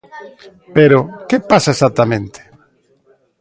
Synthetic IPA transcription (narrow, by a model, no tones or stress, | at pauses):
peɾokepasaesat̪amẽnt̪e̥